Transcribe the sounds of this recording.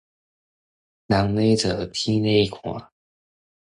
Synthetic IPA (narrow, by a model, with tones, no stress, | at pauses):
na˨˥ŋne˥˩ɪʈ͡ʂɤ˨˩t̪ʰi˥ne˥˩kʰɔ̰˨˧˥